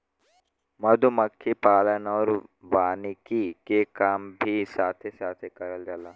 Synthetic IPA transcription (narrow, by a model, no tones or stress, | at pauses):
mɐd̪ʱumɐkʰːipaːlənɔːɾʋaːnikikekaːmbʱisaːt̪ʰesaːt̪ʰekɐɾəld͡ʒɐlaː